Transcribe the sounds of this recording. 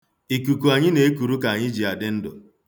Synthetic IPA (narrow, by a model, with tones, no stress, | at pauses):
i˨ku˨ku˨a˨ɲɪ˦ne˨˦e˦ku˨ɾu˦ka˨a˨ɲɪ˦d͡ʒi˨a˨dɪ˦n̩˦dʊ̰˨